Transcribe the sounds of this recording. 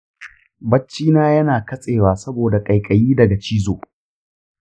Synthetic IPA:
bɐ˦t͡ʃːiː˦naː˦jɐ˦naː˨kɐ˦sʼeː˨waː˨sɐ˦boː˨da˨kʼɐ˨jkʼɐ˨jiː˦dɐ˨ɡa˨t͡ʃiː˦zoː˨

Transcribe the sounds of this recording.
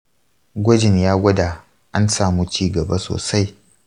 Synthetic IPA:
ɡʷɔ˦d͡ʒɪ˨njaː˦ɡʷɐ˦daː˨ | ʔa˦nsaː˨mu˦t͡ʃiː˦ɡɐ˨ba˦so̰ː˨sa˦j

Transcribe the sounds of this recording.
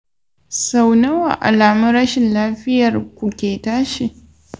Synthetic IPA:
sa˨wnɐ˦wa̰˨ʔa̰˨laː˨mʊ˦ɾɐ˦ʃɪ˨nlaː˦ɸɪ˦jɐ˨rkʷu˨kʲeː˨taː˦ʃi˨ʔ

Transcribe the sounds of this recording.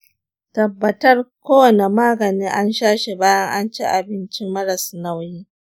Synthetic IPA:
tɐ˨bːɐ˨tɐ˦rkʷoː˦wɐ˨ne˨maː˦ɡɐ˨niː˦ʔa˦nʃaː˦ʃe˨baː˦jɐ˦ŋʔa˦nt͡ʃeː˦ʔa˨bɪ˦nt͡ʃɪ˦mːɐ˦ɾɐ˨sna˦wjiː˦

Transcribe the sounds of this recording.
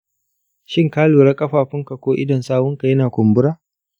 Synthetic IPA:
ʃɪ˦ŋkaː˦loː˨ɽa˦kʼɐ˦ɸaː˨ɸɪ˦ŋka˨kʷoː˦ʔɪ˦dɐ˨nsaː˦wʊ˦ŋka˨jɐ˦naː˨kʷʊ˨mbʊ˦ɽaː˦

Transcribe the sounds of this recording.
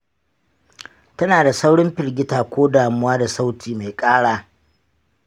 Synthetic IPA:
tɐ˦naː˨da˨sa˦wɽʊ˦mɸɪ˨ɽɡʲɪ˦taː˨kʷoː˦daː˨mʊ˦waː˦da˨sa˦wtʰiː˨ma˨jkʼaː˦ɽaː˦˨

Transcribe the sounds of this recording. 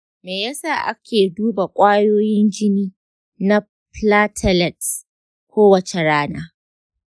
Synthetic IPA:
meː˨ja˦saː˦˨ʔa̰˦kʲʰeː˨duː˦ba˨kʷʼaː˦joː˦jɪ˦nd͡ʒɪ˦niː˦ | na˦ | plaː˦tʰɐ˦˨lɛ˨t | kʷoː˦wɐ˨t͡ʃe˨ɽaː˦naː˦

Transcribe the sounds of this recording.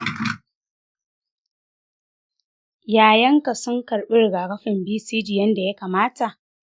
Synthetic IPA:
jaː˨jɐ˦ŋka˨sʊ˦ŋkɐ˨ɽɓɪ˦rɡaː˨kɐ˦ɸɪ˨mbiː˦siː˦d͡ʒi˨jɐ˦nda˨ja˦kaː˨maː˦ta˨ʔ

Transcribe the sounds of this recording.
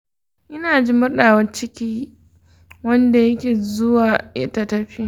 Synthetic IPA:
ʔɪ˦naː˨d͡ʒi˦mʊ˦rɗaː˨wɐ˦nt͡ʃɪ˦kʲiː˦ | wɐ˦nda˨jɐ˦kʲeː˨zʊ˦waː˨ʔɐ˦ta˦˨tɐ˦ɸi˦

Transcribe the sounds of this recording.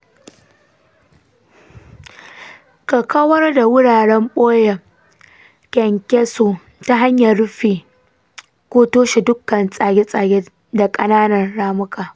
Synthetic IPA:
kɐ˨kɐ˦wɐ˦rda˨wʊ˦ɽaː˨ɽɛ˦mɓoː˦jɛ˨ | kʲɛ˨ŋkʲɛ˦soː˨ | ta˦ɦa˦ɲjɐ˨ɽʊ˦ɸiː˨ | kʷoː˦toː˦ʃi˨dʊ˦kːɐ˨nsʼaː˨ɡʲe˦sʼaː˨ɡʲe˦ | da˨kʼɐ˦naː˦nɐ˨rɽaː˦mʊ˦kaː˨

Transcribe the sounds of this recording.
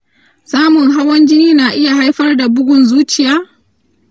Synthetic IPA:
saː˦mʊ˨ŋɦa˦wɐ˦nd͡ʒɪ˦niː˦naː˨ʔɪ˦ja˨ɦa˦jɸɐ˦rda˨bʊ˦ɡʷʊ˨nzuː˦t͡ʃɪ˨jaː˦

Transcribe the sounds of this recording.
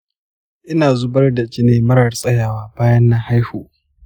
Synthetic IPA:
ʔɪ˦naː˨zʊ˦bɐ˦rda˨t͡ʃi˦neː˦mɐ˦ɽɐ˨rsʼɐ˦jaː˨waː˦baː˦jɐ˦nːa˦ha˦jhuː˨ʔ

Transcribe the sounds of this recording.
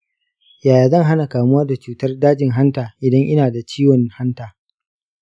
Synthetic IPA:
jaː˨jaː˨zɐ˦˨ŋɦa˦na˨kaː˨mʊ˦waː˦da˨t͡ʃuː˨tɐ˦rdaː˦d͡ʒɪ˨ŋɦa˦ntaː˨ʔɪ˨dɐ˦ŋʔɪ˦naː˨da˨t͡ʃiː˦wɔ˨nha˦ntaː˨

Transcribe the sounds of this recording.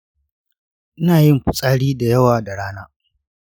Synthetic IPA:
ʔɪ˦naː˨jɪ˦mkʷʊ˨sʼaː˦ɽiː˦da˨jɐ˦waː˨da˨ɽaː˦naː˦

